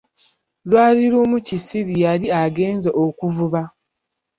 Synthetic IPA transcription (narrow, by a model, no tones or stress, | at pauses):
lwaːliɾumucisiɾijaliaɡe̞ːnzeʔokuvuβa